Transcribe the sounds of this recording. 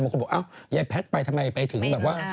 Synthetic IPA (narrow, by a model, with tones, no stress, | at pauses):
m̚˨˩k̚ːʔa˧˩wjaː˧jpʰɛː˦˥t̪̚ɓa˧jt̪ʰma˧jpa˨˧jt̪ʰɨ˨˩˦ŋɓɛː˨˩p̚kwaː˦˥